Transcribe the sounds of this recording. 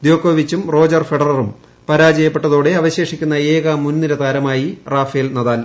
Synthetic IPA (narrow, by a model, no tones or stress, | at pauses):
d̪joːkʰːoːʋit͡ɕːumro̞ːd͡ʑɐrfeɽɐrɐrum | pɐɾaːd͡ʑɐjɐpːe̞ʈːɐðoːɽe̞ɐʋɐɕe̞ːʂikʲːunːɐeːɣɐmunːiɾɐt̪aːɾɐmaːjiraːfeːlnɐðaːl